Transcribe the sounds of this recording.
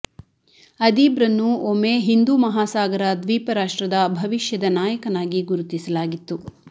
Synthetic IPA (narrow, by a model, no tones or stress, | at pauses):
ɐd̪iːbɾɐnːuomeɦind̪umɐɦaːsaːɡɐɾɐd̪ʋiːpɐɾaːʂʈɾɐd̪ɐbʱɐʋiʃjɐd̪ɐnaːjɐkɐnaːɡiɡuɾut̪isɐlaːɡit̪ːu